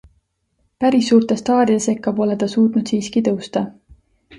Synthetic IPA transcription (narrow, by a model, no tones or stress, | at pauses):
pæɾisːuːrt̪e̞st̪ɑːɾid̪̥ese̞kːɑbo̞le̞d̪ɑsuːt̪nud̪̥siːskit̪ɤwst̪ɑ